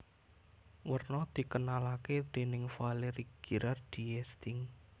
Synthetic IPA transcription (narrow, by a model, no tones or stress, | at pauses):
wərnɔd̪̥i̤kənalaked̪̥e̤nɪŋfaleɾiɡ̥i̤ɾʔard̪̥iɛst̪ɪŋ